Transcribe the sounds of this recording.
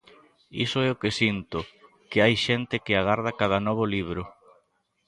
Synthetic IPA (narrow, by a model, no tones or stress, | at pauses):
ḭsoɛokesint̪ʊ | keajʃɛnt̪ɪkɪaɣaɾðakað̞anɔβ̞ʊliβ̞ɾʊ